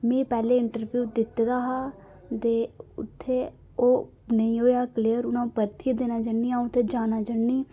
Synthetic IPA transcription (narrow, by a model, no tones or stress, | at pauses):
mẽːpɛːleːɪɳʈəɾbjuːd̪ɪt̪d̪aːɦaː | t̪eːʊ̰t̪ʰːeː | oː | nəĩːɦoːeaːkəliːəɾʊnãːpəɾt̪ʰid̪eːnaːd͡ʒəːɳːiːãːũʊt̪ʰːeːd͡ʒaːnaːd͡ʒəɳːiː